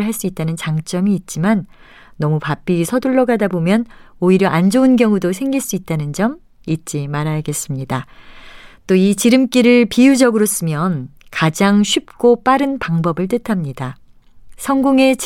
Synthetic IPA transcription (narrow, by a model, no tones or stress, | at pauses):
ɭɦaɭs͈uit̚t͈anɯnt͡ɕaŋt͡ɕ͈ʌmiːt̚t͡ɕ͈imanː | ʌmupap͈isʰʌduɭːʌɡadabomjʌn | oiɾjʌʔand͡ʑounkjʌŋudosʰe̞ŋɡiɭs͈uit̚t͈anɯnd͡ʑʌm | it̚t͡ɕ͈imaɾaɡe̞s͈ɯmɲida | t͈oit͡ɕiɾɯmk͈iɾɯɭpijud͡ʑʌɡɯɾos͈ɯmjʌn | kad͡ʑaŋɕʰɥip̚k͈op͈aɾɯnpaŋbʌbɯɭt̬͈ɯtʰamɲida | sʰʌŋɡoŋe̞t͡ɕ